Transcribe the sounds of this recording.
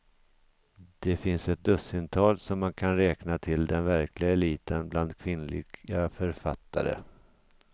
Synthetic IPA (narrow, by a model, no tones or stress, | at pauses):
d̪̥ɛfɪnsɛt̪̚d̪ɵsɪnt̪ʰɑːlsɔmːankʰanɾɛːknat̪ʰɪld̪ɛnvæɾkʰlɪɡaɛliːt̪ənbland̪kʰvɪnlɪ̰ɡafœɾfat̪ːa̰ɾə̰